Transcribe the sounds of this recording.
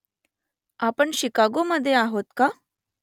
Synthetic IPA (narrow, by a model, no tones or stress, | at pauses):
apəɳɕikaɡoməd̪ʱːjeaɦot̪ka